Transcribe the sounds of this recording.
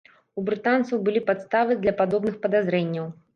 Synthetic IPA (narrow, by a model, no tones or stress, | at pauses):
ubɾɨt̪ant̪sɐwbɨlʲipat̪st̪avɨd̪lʲɐpad̪ɔbnɨxpɐd̪azɾɛnʲːɐw